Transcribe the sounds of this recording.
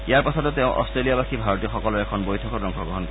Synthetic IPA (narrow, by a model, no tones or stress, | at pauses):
ijaɹpasʰɔtɔtɛʊ̃ʔɔ̰stɹeliabakʰibʱaɹotiɔxɔkɔlɔɹɛkʰɔnbojtʰɔkɔbɹɔŋkʰɔɡɹɔɦɔnkɔ